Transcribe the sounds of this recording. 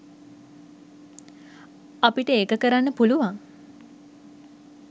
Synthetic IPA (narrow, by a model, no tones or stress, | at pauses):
apiʈəeːkəkəɾanːəpuluʋaŋ